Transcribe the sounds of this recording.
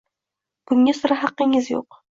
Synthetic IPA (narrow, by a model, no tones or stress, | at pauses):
kʊŋːasʊɾaɦɑqːɪŋɪzjo̰q